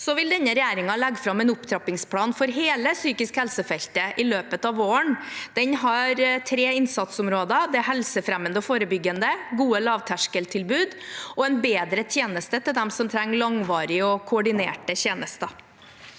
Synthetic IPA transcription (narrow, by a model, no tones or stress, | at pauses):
sɔʋɪld̪ɛnːəɾɛjæːɾɪŋɑlɛɡːfɾɑmːɛnʊpt̪ʰɾɑpɪŋspʰlɑːnfɔɾɦeːləsyːkɪskhɛlsəfɛlt̪əʔɪløːpət̪ɑʋoːəɳd̪̥ɛnɦɑɾt̪ʰɾeːɪnsɑt̪sʊmɾoːd̪ɑd̪ɛæɾɦɛlsəfɾæmːənd̪əɔfoːɾəbʏɡːənd̪əɡuːəlɑːʋt̪ʰæʂkəlt̪ʰɪlbʉːd̪ɔɛnbeːd̪ɾət̪ʰjeːnəst̪ət̪ɪld̪ɛmsɔmt̪ʰɾæŋːlɑŋʋɑːɾɪəɔkʰʊɔɖɪneːʈəçeːnəst̪ɑ